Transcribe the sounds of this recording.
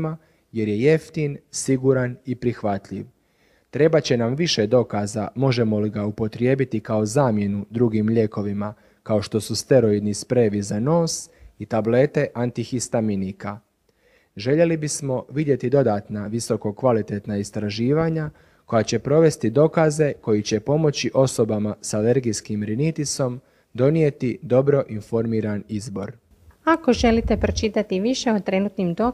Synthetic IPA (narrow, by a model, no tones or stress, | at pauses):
ma | je̞ɾje̞je̞ft̪insiɡuɾanipɾixʋat̪ʎḭʋ | t̪ɾe̞bat͡ɕe̞namʋiʃe̞d̪o̞kazamo̞ʒe̞mo̞liɡaupo̞t̪ɾje̞ːbit̪ikao̞zaːmje̞nud̪ɾuɡimʎe̞ko̞ʋima | kao̞ʃt̪o̞sust̪e̞ɾo̞id̪nispɾeʋizano̞ːsit̪able̞t̪e̞ʔant̪ixist̪aminika | ʒe̞ʎe̞libismo̞ʋid̪je̞t̪id̪o̞d̪aːt̪naʋiso̞ko̞kʋalit̪e̞t̪naist̪ɾaʒiːʋaɲa | ko̞jat͡ɕe̞pɾo̞ʋe̞st̪id̪o̞kaze̞ko̞jit͡ɕe̞po̞mo̞t͡ɕiʔo̞so̞bamasale̞ɾɡijskimɾinit̪iso̞m | d̪o̞nie̞t̪id̪o̞bɾo̞ʔinfo̞ɾmiːɾanizbo̞ɾ | ako̞ʒe̞lit̪e̞pɾot͡ʃit̪at̪iʋiʃe̞ot̪ɾe̞nuːt̪nimd̪o